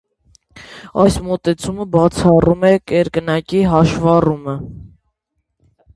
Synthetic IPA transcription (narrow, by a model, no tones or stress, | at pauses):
ɑjsmɔt̪ɛt͡sʰuməbɑt͡sʰɑrumɛkɛɾkənɑkiɦɑʃvɑrumə